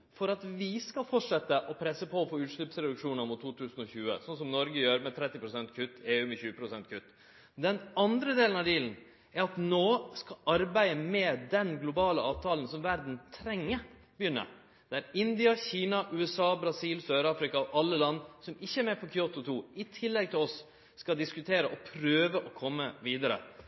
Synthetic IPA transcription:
fɔɾɑt̪ʋɪskɑfɔʈʂɛt̪ːəʔɔpʰɾɛsəpʰɔɔfoːʉːt̪ʂɭʏpsɾɛd̪ʉkʂuːnɑmʊt̪ːuːt̪ʰʉːsn̩ɔçʉːə̰sɔns̬ɔmnɔɾɡəjøːɾmɛt̪ʰɾɛt̪ːɪpɾʊsɛnt̪kʰʉt̪ːeːʉːmɛçʉːəpʰɾʊsɛnt̪̚kʰʉt̪ː | d̪ɛnɑnd̪ɾəd̪eːlənɑʋd̪iːlən̩ | æɾɑt̪noːskɑʔɑɾbæɪəmɛd̪ɛnɡlʊbɑːləɑːʋt̪ʰɑːlən̩sɔmʋæɾd̪n̩t̪ʰɾɛŋːə | bɪjʏnːə̰ | d̪̥æɾɪnd̪ɪɑçiːnɑʔʉːɛsɑːbɾɑsiːlsøːɾɑːfɾɪkɑɔʔɑlːəlɑnːsɔmɪçːəɛɾmɛpʰɔkʰʏot̪ʊt̪ʰuːɪt̪ʰɪlːɛɡ̚t̪ʰɪlɔsː | kɑd̪ɪskʉt̪ʰeːɾəʔɔpʰɾøːʋəʔɔkʰɔmːəʋiːd̪əɾə̰

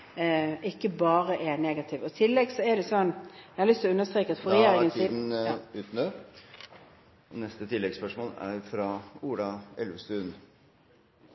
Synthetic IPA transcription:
ɪkːəbɑːɾəʔɛneːɡɑt̪ʰɪʋɔɪt̪ʰɪlːɛɡsɔɛd̪ɛsɔnːjæhɑlʏst̪lɔʉnːəst̪ʁeːkəɑt̪fɔʁɛjeːɾɪŋənsiːd̩̪ʉːt̪n̩ø | ʔɔnɛst̪ət̪ʰɪlːɛɡspœʂmoːlæ̰ɾfɾɑuːlɑɛlʋəst̪ʉːn

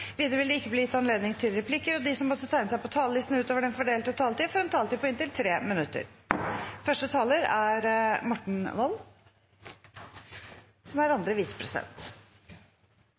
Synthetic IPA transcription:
ʋiːd̪ɾəʋɪld̪əɪkːəbliːjɪt̪ːɑnleːd̪nɪŋt̪ʰɪlɾɛpʰlɪkːəɾɔd̪ɪsɔmɔt̪ːət̪ʰæɪnəsæɪpɔt̪ʰɑːləlɪst̪n̩ʉːt̪oːʋəɖɛnfɔɖeːlt̪ɔt̪ʰɑːlt̪ifɔɾhɑnt̪ʰɑːlt̪ɪpʰɔɪnt̪ɪlt̪ʰɾeːmɪnʉt̪ːə̰ɾ | fœʂʈət̪ʰɑːləɾæɾmɔʈɳ̩ʋɔlː | sɔmæɾɑnd̪ɾəʋiːsə̥pʰɾɛsɪd̪ɛ̰nt̪

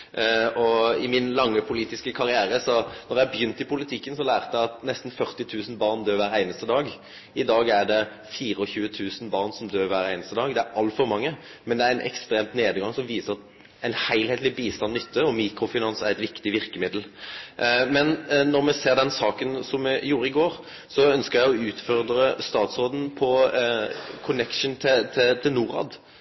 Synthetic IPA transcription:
ɔɪmɪnlɑŋːəpʰʊliːt̪ɪskəkʰɑʁɪæːɾəsɔnɔʁjæbjʏnt̪ɪpʊlɪt̪ʰɪkːənsɔlæːʁt̪əjæɑt̪nɛst̪n̩fœʁt̪ɪt̪ʰʉːsn̩bɑʁnd̪øːɾʋæːɾæɪnəst̪əd̪ɑːɡ | ɪd̪ɑːɡæʁɖ̪ɛ | fiːɾəɔçʉːət̪ʰʉːsn̩bɑʁnsɔmd̪øːɾʋæːɾæɪnəst̪əd̪ɑːɡd̪ɛæɾʔɑlt̪fɔɾmɑŋːə | mɛnd̪ɛæɾæɪnʔɛ̰kst̪ɾeːmt̪neːd̪ɡɑŋsɔmʋiːsəʁɑt̪ | æɪnhæɪlheːt̪lɪbiːst̪ɑnnːʏt̪ʰːəɔmiːkɾʊfɪnɑnsæɾɛt̪ʋɪkt̪ɪʋɪɾkəmɪd̪l̩ | mɛnːɔʁmɛseːʁd̪ɛnsɑːkənsɔmːɛjuːɾəɪɡoːɾ | sɔœnskəɾjæɪɔʉːt̪fɔʁd̪ɾəst̪ɑːt̪sʁoːd̪n̩pʰɔ | kʰʊnɛkʂəɳ̩t̪ʰɪt̪ʰɪlt̪ʰɪlnuːɾɑ̰ːd̪

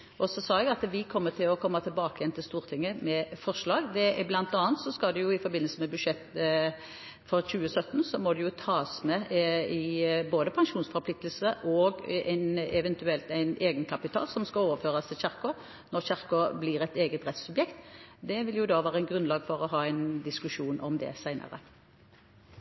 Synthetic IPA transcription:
ʔɔsɔsɑːɛɡɑt̪ʋɪkʰɔmːət̪ʰɪlɔkʰɔmːɑt̪ʰɪlbɑːkəjɛnt̪ʰɪlst̪uːɾt̪ʰɪŋːəmɛfɔʁʂlɑːɡd̪ɛblɑnt̪ɑːnt̪sɔskɑld̪ɛjʊɪfɔɾbɪnəlsəmɛbʉd̪ʂɛt̪ː | fɔɾɕʉːəsœt̪ːn̩sɔmɔd̪ɛjʊt̪ʰɑːsmɛɪboːd̪əpʰɑŋʂuːnsfɔɾplɪk̚t̪əl̩səʔɔɡæɪnɛʋɛnt̪ʉɛlt̪æɪneːɡənkʰɑpɪt̪ʰɑ̰ːlsɔmskɑoːʋəɾføːʁɑst̪ʰɪlɕæʁkɔ | nɔɾɕæʁkɔbliːɾɛt̪eːɡət̪ʁɛt̪sʉbjɛkt̪d̪ɛʋɪljʊd̪ɑːʋæːʁəɛɪnɡɾʉnlɑːɡfɔʁɔɦɑːæɪnd̪ɪskʉʂuːnʔɔmd̪ɛ̰sæɪnʔə̰ʁə̰

